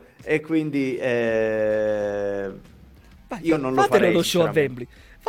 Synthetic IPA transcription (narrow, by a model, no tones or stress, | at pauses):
ekːwind̪iɛ | aiːnonloatfɛlɔðoʃɔavːɛmbli | f